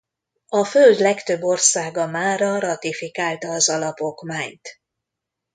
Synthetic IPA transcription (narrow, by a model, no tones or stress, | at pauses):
ɒføld̪lɛkt̪øbːo̞rsaːɡɒmaːɾɒɾɒt̪ifikaːlt̪ɒːzɒlɒpo̞kmaːɲt̪